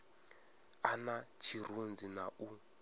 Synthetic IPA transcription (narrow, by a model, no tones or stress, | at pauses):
anat͡ʃʰir̤und͡zinaʔu